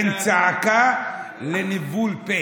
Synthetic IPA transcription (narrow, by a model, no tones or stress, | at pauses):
nt͡saka | lenivulpe